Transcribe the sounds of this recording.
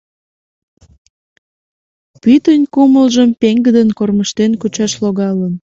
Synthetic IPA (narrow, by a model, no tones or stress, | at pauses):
pyt̪ənʲkuməlʒəmpeŋɡəd̪ənkorməʃt̪enkut͡ɕɑʃloɣɑlən